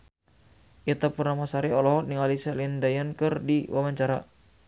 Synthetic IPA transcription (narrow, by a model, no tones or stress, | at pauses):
ʔit̪apurnamasaɾiɔlɔɦɔniŋalisalindajənkɨrdiwawaɲt͡ʃaɾa